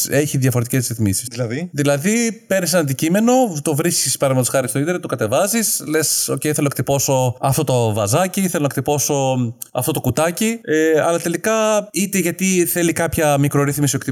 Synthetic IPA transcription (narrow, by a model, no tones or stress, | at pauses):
eçiðʝɐfo̞ɾet̪ice̞zɾiθmisi̥slɐððilɐðipeɾnisenɐnd̪icime̞no̞t̪ovɾiskispɐɾɐmot̪sxɐɾist̪oit̪eɾɐt̪okɐt̪e̞vɐzisle̞so̞cejiθe̞lokt̪ipo̞so̞ɐft̪o̞t̪ovɐzɐciθe̞lonɐekt̪ipo̞so̞ɐ̰ft̪o̞t̪o̞kut̪ɐcieɐlɐt̪e̞likɐit̪eʝɐt̪iθe̞likɐpçɐmikɾo̞ɾiθmisiokt̪i